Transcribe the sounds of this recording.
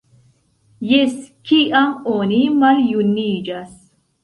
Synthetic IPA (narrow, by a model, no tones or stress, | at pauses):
jeskiɐmoːnimɐɾjunːiːd͡ʒɐs